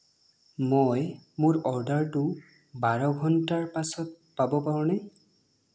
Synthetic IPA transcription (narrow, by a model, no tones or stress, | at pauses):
mojmʊɹɔɹɖaɹtʊ | baɹɔɡʱɔntaɹpasɔt̚ | pabɔpaɹʊna